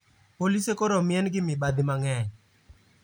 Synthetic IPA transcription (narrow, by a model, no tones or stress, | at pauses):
polisekoɾomɪɛnɡɪmɪbad̪ɪmaŋɛɲ